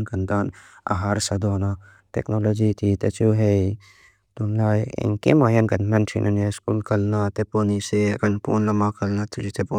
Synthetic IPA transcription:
nɡɐnd̪aːn | ɐ̰ɦaːɾsɐd̪oːna | ʈḛknoloːd͡ʒit̪ʰit̪et͡ʃuːɦe | t̪unlaːjḛŋkḛmaːjɐnɡɐndant͡ʃʰḭnʔɐneskuːlkɐlnat̪epoːniseɡɐnpoːnlɐmakɐlnat̪ʰud͡ʒit̪epo

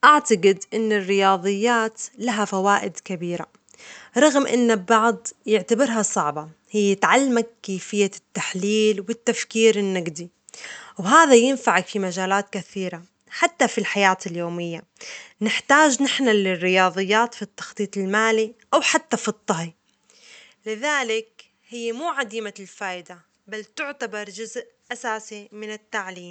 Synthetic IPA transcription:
ʔaʕt̪aɡɪd̪ʔɪnːɪrːɪjɑːðˤɨjːaːt̪laɦafawaːʔɪd̪kabiːɾa̰ | ɾˤɑɣmʔɪ̰nːabbɑʕd̪ˤjɪʕt̪abɪɾɦɑsˤɑʕbɑ | hɪjːɪt̪ʕalːmaɡkːeːfɪjːat̪ːaħliːlwɪt̪ːafkiːɾɪnːaɡd̪i | wɦaːðajɪnfaʕakfimad͡ʒaːlaːt̪kaθiːɾa | ħat̪ːafilħajaːt̪ɪljoːmɪjːa | nɪħt̪aːd͡ʒnɪħnalɪrːɪjɑːðˤɨjːaːt̪fit̪ːɑ̥xt̪ˤiːt̪ˤɪlmaːliʔawħat̪ːafit̪ˤːɑɦi | lɪðaːlɪk | hɪjːmuːʕad̪iːmalfaːʔɪd̪a | balt̪ʊʕt̪abɑɾˤd͡ʒʊzʔʔasaːsimɪnɪt̪ːaʕliːm

